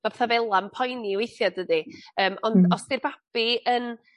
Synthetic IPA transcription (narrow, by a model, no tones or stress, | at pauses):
mabɛθavɛlˠampʰɔjniwejθjɔdədiəːmʔɔndɔsdirbab̥iən